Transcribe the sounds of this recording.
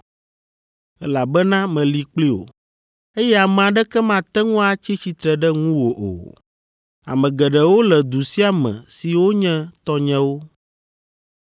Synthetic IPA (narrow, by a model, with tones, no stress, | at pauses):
ɛ̰˦la˨bɛ˦nã˦mɛ̃˨li˨k͡pli˦o̰˨ | e˦jɛ˦a˨mɛ̃˨a˨ɖɛ˦kɛ˦mã˦t̪ɛ˦ŋũ˦a˨t͡ɕi˦t͡ɕi˦t̪ɾɛ˨ɖɛ˦ŋũ˦wo˨ʔo̰˨ | a̰˨mɛ̃˨ɡɛ˨ɖɛ˨wo˦lɛ˨d̪u˨si˦a˨mɛ̰̃˨si˨wo˦ɲɛ̃˦t̪ɔ˦ɲɛ̃˦wo˦